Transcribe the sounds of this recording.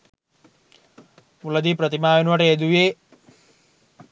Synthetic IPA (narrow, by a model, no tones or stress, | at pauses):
ulɐd̪ipɾɐt̪imaːjenʋɐʈeːd̪ueː